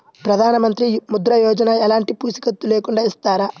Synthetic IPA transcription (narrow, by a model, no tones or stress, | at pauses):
pɾɐd̪ʱaːnɐmɐnt̪ɾimud̪ɾɐjɔːd͡ʒɐnɐɛlaːɳʈipuːsi̥kɐt̪ːuleːkuɳɖaːist̪aːɾa